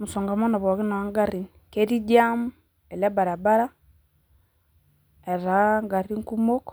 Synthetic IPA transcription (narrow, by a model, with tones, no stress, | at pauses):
muso˨ŋɡa˨mo˦na˨βo˨ɣi˦na˨wa˦ŋɡa˦ɾi˨nike˦ɾi˦ɟamu | e˨le˦ba˨ɾa˨ba˦ɾa˦ | e˨ɾaŋɡa˨ɾi˦ŋku˦mo˦k